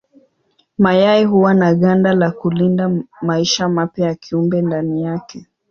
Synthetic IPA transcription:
majaiɦuwanaɠandalakulindamaiʃamapjajakʰiumbɛndanijakɛ

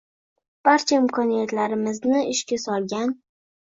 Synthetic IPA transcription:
b̥aɾt͡ʃʰaɪmkʰɒnijat̪laɾɪmɪznɪɪʃkʲasɒlˠɡʲan

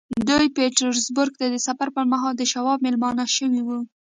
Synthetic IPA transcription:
d̪ujpeʈaɾzbʊɾɡ̚t̪ad̪əsafaɾpəɾmaɦɑld̪əʃawɑb̚mɪlmɑnaʃəwiwu

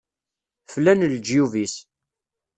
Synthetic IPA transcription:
flænld͡ʒjuvis

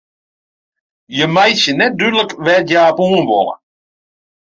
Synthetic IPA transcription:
jəmajsjənɛt̚dyːdələkʋɛjaːpuːənʋɔ̰lə̰

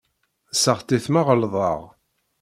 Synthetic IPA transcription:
səʁt̪iθmaʁəlðˤɑ̰ʁ

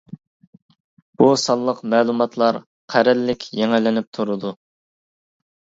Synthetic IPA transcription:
b̥usɑlˠːəqmɛːlˠumɑt̪ʰlˠɑɾ | qʰæɾɛlːɪkʲjɛŋɪlɪnɪp̚t̪ʰuɾud̪u

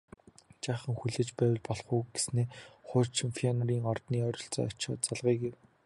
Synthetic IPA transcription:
t͡ɕaːχə̆ŋxuɮeːt͡ɕpæːw̆ɮpɔɮχuːɡesneːχʊːrt͡ɕʰɪ̆ŋfiɔnɔɾiːŋɔrt̪niːɔɾʲɞ̆ɬt͡sɔ̰ːɔt͡ɕɔ̰ːt͡saɮʁiːɡew

